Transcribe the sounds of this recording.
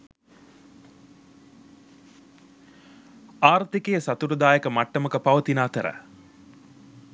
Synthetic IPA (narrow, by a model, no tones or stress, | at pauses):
aːɾt̪ikejəsat̪uɾəd̪aːjekəmaʈːəməkəpaʋət̪inaːt̪əɾə̰